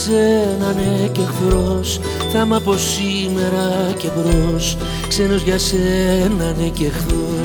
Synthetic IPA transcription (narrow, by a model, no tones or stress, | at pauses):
senɐnece̞xθos | θɐmɐpo̞s | i | me̞ɾɐce̞vɾos | kse̞no̞zʝɐsenɐnecexθo